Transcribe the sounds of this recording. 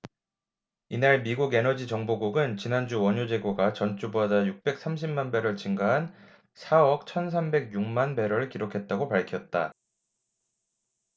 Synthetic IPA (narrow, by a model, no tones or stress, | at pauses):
inaɭmiɡuɡe̞nʌd͡ʑit͡ɕʌŋboɡuɡɯnt͡ɕinand͡ʑuwʌɲod͡ʑe̞ɡoɡat͡ɕʌnt͡ɕ͈ubadajuk̚p͈e̞k̚s͈ʰamɕʰimmanbe̞ɾwʌɭt͡ɕiŋɡaɦan | sʰaʌk̚t͡ɕʰʌns̬ʰambe̞ɡjuŋmanbe̞ɾʌɾɯɭkiɾokʰe̞t̚t͈aɡopaɭkʰjʌt̚t͈a